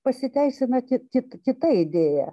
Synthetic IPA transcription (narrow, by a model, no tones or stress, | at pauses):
pɐsʲɪt̪ʲɛɪsʲɪnɐkʲɪkʲɪt̪kʲɪt̪ɐɪd̪ʲeːjæ̰